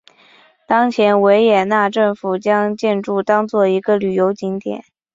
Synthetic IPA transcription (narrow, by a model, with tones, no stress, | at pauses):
t̪ɑ˥ŋt͡ɕʰjɛ˧˥nwe˧˥ɪjɛ˨˩na˥˧ʈ͡ʂɤ˥˩ŋfu˨˩t͡ɕjɑ˥ŋt͡ɕjɛ˥˧nʈ͡ʂu˥˩t̪ɑ˥ŋt͡swɔ˥˩i˧˥ɡə˧ly˨˩jo˧˥ʊt͡ɕi˧˥ŋt̪jɛ̰˨˩˦n